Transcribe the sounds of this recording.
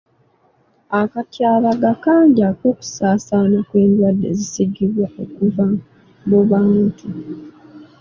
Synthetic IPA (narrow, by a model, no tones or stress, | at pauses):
akatjaːβaɡakaːɲɟako̞ːku̥saːsaːnakwe̞ːndwadːe̞̰zisiɡiβwao̞kuva | muβaːntʰu